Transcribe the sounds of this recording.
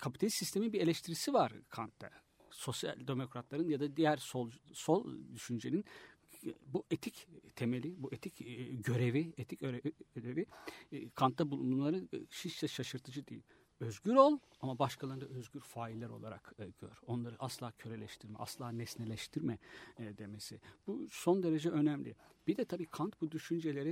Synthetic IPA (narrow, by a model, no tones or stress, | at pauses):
kʰapit̪ʰalʲisːist̪ʰe̞minbiɾe̞lʲɛʃt̪ʰiɾisivaɾ̥kʰant̪ːa̰ | so̞sja̰lʲd̪e̞mo̞kɾat̪lˠaɾɯnjad̪ad̪ijæɾsolˠso̞lˠd̪yʃynd͡ʒe̞nin | buʔet̪ʰict̪ʰe̞me̞lʲibuet̪ʰicɟø̞ɾe̞viet̪ʰicøɾeiød̪e̞vikʰant̪ːabulˠunumlˠaɾɯʃit͡ʃsɛʃaʃɯɾt̪ʰɯd͡ʒɯd̪ijḭlʲ | øzɟyɾo̞lˠ | amabaʃkʰalˠaɾɯnd̪aøzɟyɾfaːilːʲæɾo̞lˠaɾa̰kːɟ̥ø̰ɾ̥o̞nlˠaɾɯʔaslˠaːcʰø̞ɾe̞lʲɛʃt̪ʰiɾmɛ̰a̰slˠaːnɛsnelʲɛʃt̪ʰiɾmɛd̪e̞me̞sib̥uso̞nd̪e̞ɾe̞d͡ʒɛø̞næmlʲḭb̥id̪ɛt̪ʰabiːkʰant̪bud̪yʃynd͡ʒe̞lʲe̞ɾɪ